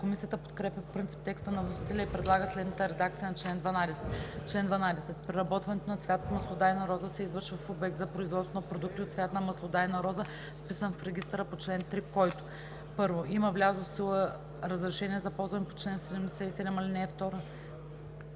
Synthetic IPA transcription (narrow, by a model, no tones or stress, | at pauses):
komisijət̪əpot̪kɾɛpʲɐpopɾint̪si̥p̚t̪ɛkst̪ənɐvnosi̥t̪ɛlʲɐipɾɛd̪lˠaɡəslɛd̪nət̪əɾɛd̪ak̚t̪sijənɐt͡ʃlɛnd̪vɐnad̪ɛsɛt̪t͡ʃlɛnd̪vɐnad̪ɛsɛt̪pɾɛɾɐbɔt̪vɐnɛt̪onɐt̪svjat̪mɐslˠod̪ajnɐɾɔzəsɛizvɤɾʃvəfobɛk̚t̪zɐpɾoizvɔt̪st̪onpɾod̪uk̚t̪iot̪svʲjat̪nɐmɐslˠod̪ajnɐɾɔzə | fpisənfɾɛɡʲist̪ɾəpot͡ʃlɛnt̪ɾikɔjt̪ʊ̥ | pɤɾvoiməvlʲazofsilˠə | ɾəzɾɛʃɛniɛzɐpɔlˠzvɐnipo̥t͡ʃlɛnsɛd̪ɛmd̪ɛsɛisɛd̪ɛmɐlinɛːft̪ɔɾə